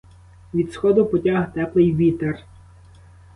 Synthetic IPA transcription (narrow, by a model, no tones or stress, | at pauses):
ʋʲid̪sxɔd̪ʊpɔtʲaɦt̪ɛplˠɪjʋʲit̪er